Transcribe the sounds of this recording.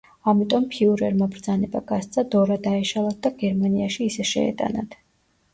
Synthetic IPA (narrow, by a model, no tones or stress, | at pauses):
amit̪ʼɔmpʰiuɾɛɾmɔbɾd̪zanɛbaɡast̪sʰʼad̪ɔɾad̪aɛʃalˠat̪̚ʰd̪aɡɛɾmaniaʃiːsɛʃɛ̰ɛ̰t̪ʼa̰nat̪ʰ